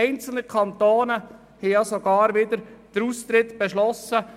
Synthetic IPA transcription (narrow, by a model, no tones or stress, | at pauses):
ɛɪnt͡sl̩nəkʰɑnt̪oːnə | hɛɪjɑsoɡ̥ɑːɾʋɪd̪əɾd̥əɾust̪ɾɪtb̥ɛʃlɔsə